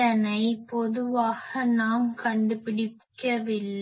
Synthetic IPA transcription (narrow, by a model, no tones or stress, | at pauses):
ɐnɐɪpɔðɯʋaːɣɐnaːmkɐɳɖɯpɪɽɪkːɐʋɪlː